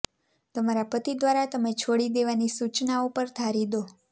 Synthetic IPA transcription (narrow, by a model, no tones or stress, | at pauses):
t̪əmaɾapət̪id̪ʋaɾat̪əmet͡ʃʰoɽid̪eʋanisut͡ʃnaupəɾt̪ʰaɾid̪o